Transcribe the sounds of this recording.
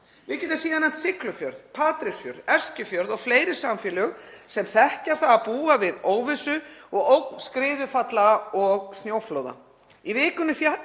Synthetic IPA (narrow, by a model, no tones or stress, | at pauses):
vɪcɛt̪ːasiːðanːant̪sɪklʏfjœɾðpʰaːt̪ɾɪsfjœ̰ɾðɛr̥scʏfjœɾðɔɣfleːjɾɪsamfɪlʏʏɣsɛmθɛhcaɾ̥θaapuːavɪðoːwvɪsʏɔɣowk̚nskɾɪːðʏfat̪laɔɣst̪joːwfloːwða̰ | ivɪːkʏnːʏfa